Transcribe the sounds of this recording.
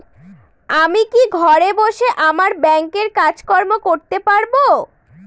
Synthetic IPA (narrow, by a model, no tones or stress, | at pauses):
amikiɡʱɔɾeboʃeʔamaɾbɛŋkeɾkad͡ʑkɔɾmokoɾt̪epaɾbo